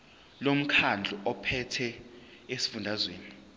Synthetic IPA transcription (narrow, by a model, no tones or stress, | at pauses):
lom̩kʰand͡ɮʱuʔɔpʰɛtʰɛ | esi̥fundʱazweːni